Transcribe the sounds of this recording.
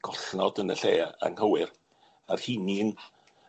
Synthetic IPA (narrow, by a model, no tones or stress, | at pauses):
ɡ̥ɔɬnɔdənəɬeːa̰ŋhəwɪr | arhinin